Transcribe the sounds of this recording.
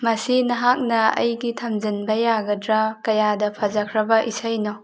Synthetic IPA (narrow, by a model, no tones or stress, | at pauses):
mɐsinɐɦak̚nɐɐ̰jɡitʰɐmd͡ʒɯnbɐjaɡɐdɾɐkɐjadɐpʰɐzɐkʰɾɐbɐʔisɐjno